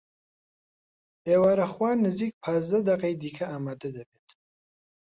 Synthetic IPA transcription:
eːwaːɾɐχwaːnɨziːk̚pʰaːzd̪ɐd̪ɐqɐjd̪iːkʰɐaːmaːd̪ɐd̪ɐbet̪ʰ

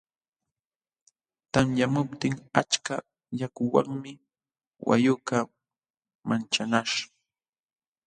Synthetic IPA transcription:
t̪amjamʊpt̪ɪŋat͡ʃka | jakʊwa̰ŋmɪ | wa̰jʊka | mant͡ʃanaʃ

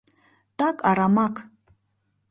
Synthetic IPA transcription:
t̪ʼakʼaɾamakʰʼ

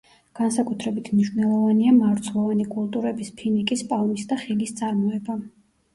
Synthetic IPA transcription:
ɡ̥ansakʼut̪ʰɾɛbit̪ʰmniʃvnɛlˠɔvaniamaɾt̪sʰlˠɔvanikʼulˠt̪ʼuɾɛbispʰinikʼispʼalmisd̪aχilist̪sʼaɾmɔɛba

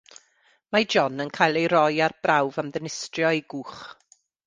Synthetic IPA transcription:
mad͡ʒɔnənkʰajlˠejɾɔjarbrawvamðənɪstrjɔeɡuːχ

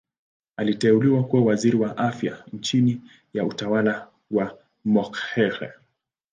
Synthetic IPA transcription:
alitɛuliwakuwawaziɾiwaʔafja̰n̩t͡ʃini | jautawala | wa | mɔkhɛɾɛ̰

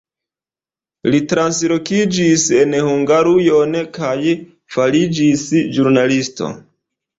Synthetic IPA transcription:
litɾanslokid͡ʒise̞nhuŋɡaɾujonkaj | falid͡ʒisd͡ʒuɾnalisto̰

